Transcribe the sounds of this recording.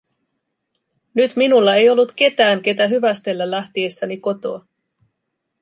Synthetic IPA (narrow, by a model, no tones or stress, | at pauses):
nyt̪minulːɑe̞jo̞lːut̪k̟e̞t̪æːŋke̞t̪æɦyʋæst̪e̞lːælːæht̪ie̞sːæniko̞t̪o̞ɑ